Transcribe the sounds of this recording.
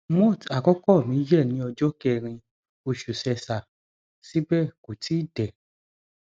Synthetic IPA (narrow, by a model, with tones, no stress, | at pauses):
mɔ̃˦˨ta˨kɔ˦kɔ˦˨mĩ˨˦d͡ʒɛ˦˨nĩ˨˦ɔ˧d͡ʒɔ˦kɛ˦˧˨ɾ̃ĩ˧ | o˧ʃu˨sɛ˧sa˨ | si˦bɛ˦˨ko˨ti˦˨dɛ˨